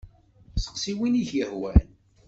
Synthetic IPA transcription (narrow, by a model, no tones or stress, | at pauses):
sə̥qsiwiniçjəhwæ̰n